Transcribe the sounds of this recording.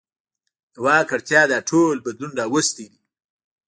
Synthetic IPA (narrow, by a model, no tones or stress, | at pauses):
wɑːkaɾt̪jɑːd̪ɑʈʰolbad̪lunɖawəst̪id̪i